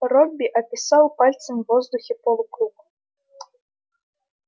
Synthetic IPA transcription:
ɾɔbʲːiʔɐpʲisawpalʲt̪sɐmʲvɔzd̪uxʲipɔlˠukɾuk

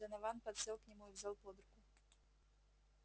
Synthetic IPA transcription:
ɐnavanpɐt̪sɛlˠknʲimujivzʲalˠpɔd̪ɾuku

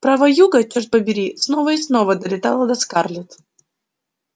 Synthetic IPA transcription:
pɾavɐjuɡət͡ɕɔrt̪̚ʲpəbʲɪɾʲisnovəɪsnovəd̪əlʲɪt̪alˠəd̪ɐskarlʲɪt̪

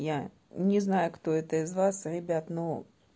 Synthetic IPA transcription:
ja | nʲɪznajʊkt̪oɛt̪əizvasrʲɪbʲat̪nu

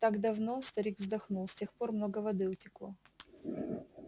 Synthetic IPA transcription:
t̪aɡd̪ɐvno̞st̪ɐɾʲiɡvzd̪ɐxnulˠsʲtʲe̞xpo̞rmno̞ɡəvɐd̪ɨʊtʲɪklˠo

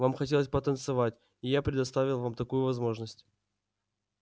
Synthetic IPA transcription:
vamxɐtʲe̞lˠəsʲpət̪ənt̪sɨvatʲ | ɪjapɾʲɪd̪ɐst̪avʲɪlˠvamt̪ɐkujʊvɐzmo̞ʐnəsʲtʲ

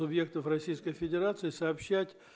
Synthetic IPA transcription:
ʊbje̞k̚t̪əfrɐsʲijskəjfʲɪdʲɪɾat̪sɨɪsɐːpɕːætʲ

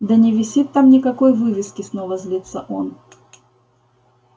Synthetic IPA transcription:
d̪ɐnʲɪvʲɪsʲit̪ːamnʲɪkɐkojvɨvʲɪskʲɪsnovəzʲlʲit̪səʔon

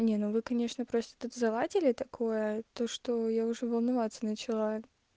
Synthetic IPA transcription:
nʲenuvɨkɐnʲe̞ʂnəpɾo̞st̪ə̥t̪ut̪zɐlˠatʲɪlʲɪt̪ɐkʰo̞jət̪o̞ʂt̪o̞jaʊʐɛvəlˠnɐvat̪sənət͡ɕɪlˠa

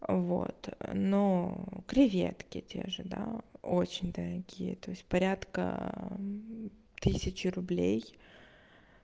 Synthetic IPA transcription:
vo̰t̪nokɾʲɪvʲḛt̪kʲɪtʲʰe̞̰ʐɨd̪aot͡ɕɪnʲd̪əɾɐɡʲijə̰t̪o̞ɪsʲt̚ʲpɐɾʲat̪kə̰ | t̪ɨsʲɪt͡ɕɪɾʊblʲej

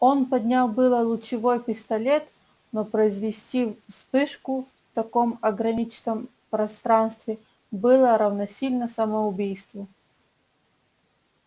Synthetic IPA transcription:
onpɐd̪ʲnʲalˠbɨlˠəlˠʊt͡ɕɪvo̞jpʲɪst̪ɐlʲet̪ | nopɾəɪzvʲɪsʲtʲispɨʂkʊft̪ɐko̞mɐɡɾɐnʲit͡ɕɪnəm | pɾɐst̪ɾanst̪vʲɪ | bɨlˠəɾɐvnɐsʲilʲnəsəməʊbʲijst̪vʊ

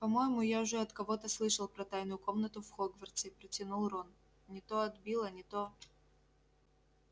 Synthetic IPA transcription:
pɐmo̞jɪmʊjaʊʐɛɐt̪kɐvo̞t̪əslˠɨʂəlˠpɾɐt̪ajnʊjʊko̞mnət̪ʊfxoɡvərt̪sɪpɾətʲɪnulˠron | nʲɪt̪oɐd̪bʲilˠənʲɪt̪o

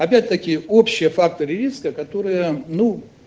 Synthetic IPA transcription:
ɐpʲætʲt̪əkʲɪo̞pɕːɪjəfak̚t̪əɾʲɪɾʲiskəkɐt̪o̞ɾɨjənu

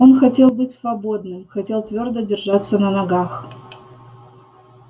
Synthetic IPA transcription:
o̞nxɐtʲe̞lˠbɨtʲsvɐbo̞d̪nɨmxɐtʲe̞lˠt̪vʲo̞rd̪ədʲɪrʐat̪sːənənɐɡax

